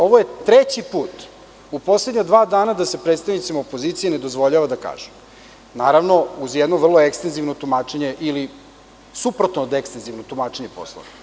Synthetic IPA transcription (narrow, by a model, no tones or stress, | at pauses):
o̞ʋoje̞t̪ɾet͡ɕipuːt̪ | upo̞sled̪ɲad̪ʋaːd̪aːnad̪ase̞pɾet̪st̪aʋnit̪simaopoziːt̪sijene̞d̪ozʋo̞ʎaʋad̪aka̰ːʒem | naːɾaʋno̞uzjɛd̪noʋr̩lˠoekst̪enziʋnot̪umaːt͡ʃeɲe̞ʔili | supɾot̪noːd̪ekst̪enziʋnot̪umaːt͡ʃeɲe̞po̰slˠo̰ʋe